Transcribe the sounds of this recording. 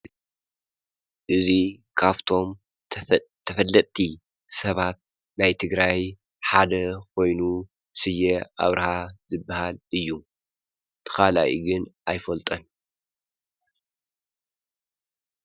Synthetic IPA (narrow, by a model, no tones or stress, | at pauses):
ʔɨzikʰaβt̪ʰo̞m | t̪ʰɐfɐlːɐt̪ʼt̪ʰi | sɐβat̪̚ | najt̪ʰɨɡɾaj | ħad̪ɐkʰo̞jnu | sɨjːeʔa̰βɾɐhazɨbːahalɨjːu | t̪ʰɨ̥xala̰jʔḭɡɨnʔajfɐlt̪ʼɐn